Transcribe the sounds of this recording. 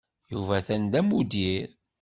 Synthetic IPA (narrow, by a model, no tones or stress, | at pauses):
juvæθænd̪æmud̪iɾ